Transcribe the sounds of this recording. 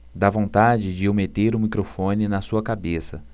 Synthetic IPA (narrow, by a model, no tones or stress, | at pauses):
d̪avõnt̪ad͡ʒɪd͡ʒɪʊmet̪eɾʊmikɾofõnɪnɐsuɐkabesɐ̰